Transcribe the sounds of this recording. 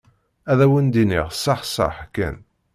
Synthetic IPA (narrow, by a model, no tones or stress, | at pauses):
æðæwənd̪iniʁsːɑħsɑ̰ħkːæ̰n